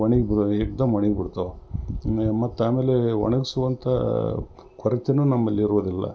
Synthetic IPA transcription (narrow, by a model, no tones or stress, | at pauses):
ɐɳiɡbieɡd̪ɐmʋɐɳiɡbiɽt̪o | mɐt̪ːaːmeːleʋɐ̰ɳɐɡisuʋɐnt̪ʰɐ | kʰɔɾɐt̪enunɐmːɐlːiːɾuʋod̪ilːɐ̰